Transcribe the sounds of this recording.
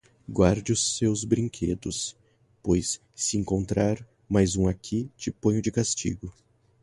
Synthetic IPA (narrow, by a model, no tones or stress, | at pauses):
ɡwaɾd͡ʒɪʊsːewzbɾĩŋkʰed̪ʊs | pojsː | ɪẽŋkõnt̪ɾaɾ | majzũakʰit͡ʃɪpõj̃ʊd͡ʒɪkast͡ʃḭɡʊ